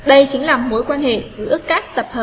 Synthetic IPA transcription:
ɗə˧jt͡ɕï˨˦ŋ̟laː˨˩mo˨˦jkwaː˧nhḛ˧˨zɨ̰˧˩ʔkːaː˦˥k̚t̪ə˨˩p̚həː˨˩

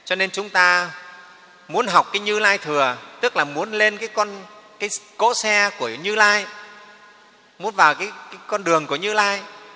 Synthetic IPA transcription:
t͡ɕɔ˧ne˧nt͡ɕʊ˨˦ŋ͡mt̪aː˧ | mu˨˦ənɦa˨˩wk͡p̚kaː˨˦jɲɨ˧laː˧jt̪ʰɨ˨˩ət̪ɨ˦˥k̚laː˨˩mu˨˦ənle˧nkaː˨˦jkɔ˧nkaː˨˦jko̰˧˥sɛ˧ku˧˩əɲɨ˧laː˧j | mu˨˦ənvaː˨˩wkaː˨˦jkaː˨˦jkɔ˧nɗɨ˨˩əŋku˧˩əɲɨ˧laː˧j

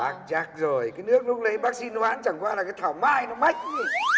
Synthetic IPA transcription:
aː˨˧˩ŋt͡ɕaː˦˥k̚zo˨˩jkaː˨˦jnɨ˦˥ək̚lʊ˦˥k͡pŋ͡m̚lə˨˦jɓaː˦˥k̚si˧n˧waː˨˦nt͡ɕa˧˩ŋkwaː˧laː˨˩kaː˨˦jt̪ʰaː˧˩wmaː˧jnɔ˨˦ma˦˥jk̟̚i˧˦

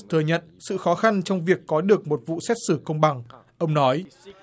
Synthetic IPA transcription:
t̪ʰə˨˩jɲə̰˧˨nsɨ̰˧˨xɔ˨˦xa˧nt͡ɕɔ˧wŋ͡mvi˨˩əkːɔ˨˦ɗɨ˨˩ək̚mo˨˩t̚vṵ˧˨sɛ˦˥t̚sɨ˧˩kə˧wŋ͡mɓa˨˩ŋʔə˧wŋ͡mnɔ˨˦j

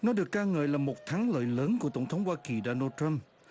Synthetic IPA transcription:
nɔ˨˦ɗɨ˨˩əkːaː˧ŋəː˨˩jlaː˨˩mo˨˩t̚t̪ʰa˨˦ŋlə̰ː˧˨jləː˨˦nku˧˩ət̪ə˧˩wŋ͡mt̪ʰə˨˦wŋ͡mhwaː˧ki˨˩ɗo˨˩nəː˧tɹa˧m

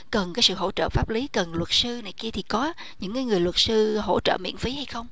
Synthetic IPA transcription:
kə˨˩nkaː˨˦jsɨ̰˧˨ho̰˧˥t͡ɕə̰ː˧˨faː˦˥p̚li˨˦kə˨˩nlwə˨˩t̚sɨ˧na˨˩jki˧ət̪ʰi˨˩kɔ˨˦ | ɲɨ̰˧˥ŋkaː˨˦jŋɨ˨˩əjlwə˨˩t̚sɨ˧ɦo̰˧˥t͡ɕə̰ː˧˨mḭ˧˨ənfi˨˦ha˧jxə˧wŋ͡m

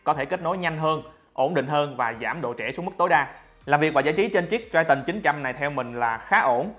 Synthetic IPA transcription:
kɔ˨˦t̪ʰe˧˩ke˦˥t̚no˨˦jɲa˧jŋ̟ɦəː˧n | ʔo˧˩nɗḭ̈˧˨ŋ̟ɦəː˧nvaː˨˩zaː˧˩mɗo̰˧˨t͡ɕɛ˧˩su˦əŋ͡mm˦˥k̚t̪o˨˦jɗaː˧ | laː˨˩mvi˨˩ək̚vaː˨˩zaː˧˩jt͡ɕi˨˦t͡ɕe˧nt͡ɕi˦˥k̚t͡ɕwaː˧jt̪ï˨˩ŋ̟t͡ɕï˨˦ŋ̟t͡ɕa˧mna˨˩jt̪ʰɛ˧wmï˨˩ŋ̟laː˨˩xaː˨˦ʔo˧˩n

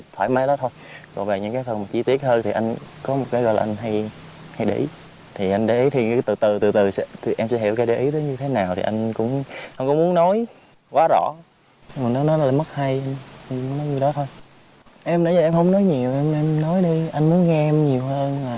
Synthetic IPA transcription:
t̪ʰwa̰ː˧˩jma˨˦jɗɔ˨˦t̪ʰo˧jkɔ̰˨˩ve˨˩ɲɨ̰˧ŋkaː˨˦jfə˨˩nmaː˨˩t͡ɕi˧t̪i˦˥ət̚həː˧nt̪ʰi˨˩ʔa˧jŋ̟kɔ˨˦mo˨˩t̚kaː˨˦ɣɔ̰˧˨jla̰ː˨ʔa˧ŋ̟ɦa˧j | ha˧jɗḭ˧˩ | t̪ʰi˨˩ʔa˧jŋ̟ɗe˧˩ʔi˨˦t̪ʰi˨˩˧t̪ɨ˨˩t̪ɨ˨˩t̪ɨ˨˩t̪ɨ˨˩sɛ̰˧˥t̪ʰi˨˩ʔɛ˧msɛ̰˧˥ɦḭ˧˩˥wkaː˨˦ɗe˧˨˦ʔi˨˦t̪əː˨˦jɲɨ˧t̪ʰe˨˦naː˨˩wt̪ʰḭ˨˩ʔa˧jŋ̟kʊ̰˧˥ŋ͡mha˧ŋ͡mkʊ̰˧˥ŋ͡mmu˨˦ənɔ˨˦j | kwaː˨˦zɔ̰˧˩˧ | maː˨˩nɔ˨˦nɔ˨˦laː˨˩mə˦˥t̚ha˧jʔa˧jʔmu˨˦nɔ˨˦jɲi˧˩wɗɔ˨˦t̪ʰo˧j | ʔɛ˧mnə˧˦ɲə˨˩ʔɛ˧mhə˧wŋ͡mnɔ˨˦jɲi˨˩əwʔɛ˧mʔɛ˧mnɔ˨˦jɗi˧ʔa˧jŋmu˨˦ənŋɛ˧mɲi˨˩əwɦəː˧nmaː˨˩

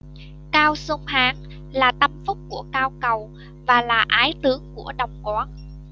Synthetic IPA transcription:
kaː˧wso˧ŋ͡mhaː˨˦ŋ | laː˨˩t̪ə˧mfʊ˦˥k͡p̚ku˧˩əkaː˧wkə˨˩w | vaː˨˩laː˨˩ʔaː˨˦jt̪ɨ˨˦əŋku˧˩əɗə˨˩wŋ͡mkwɔː˨˦n

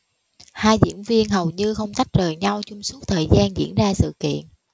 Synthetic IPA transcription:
haː˧jzḭ˧˥ənvi˧ənɦə˨˩wɲɨ˧xə˧wŋ͡mt̪a˦˥k̚zəː˨˩jɲa˧wt͡ɕʊ˧ŋ͡msu˦˥t̚t̪ʰəː˨˩jzaː˧nzḭ˧˥ənzaː˧sɨ̰˧˨kḭ˧˨ənʔ

